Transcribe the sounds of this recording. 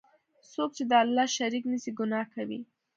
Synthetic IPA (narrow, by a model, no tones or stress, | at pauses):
sok̚t͡ʃed̪əalːɑʃaɾiknəsiɡʊnɑkawḭ